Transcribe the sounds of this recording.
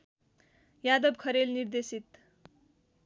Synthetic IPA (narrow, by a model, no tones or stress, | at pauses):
jad̪ʌb̚kʰʌɾelnird̪esit̪